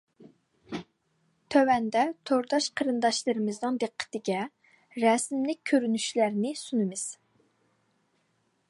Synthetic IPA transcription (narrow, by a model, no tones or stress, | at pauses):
t̪ʰøwɛnd̪ɛt̪ʰoɾd̪ɑʃqʰəɾɨnd̪ɑʃlˠəɾɨmɨznɨŋd̪eqʰːə̥t̪ɪɡʲɛ | ɾɛsmlɪk̚ʲkʲʰːøɾynyʃlæɾnɪsunɨmɨz̥